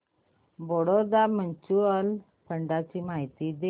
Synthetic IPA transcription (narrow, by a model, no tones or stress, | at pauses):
bɔɽɔɾd̪amənt͡ɕuəl | pʰəɳɖat͡ɕiːmaɦit̪id̪e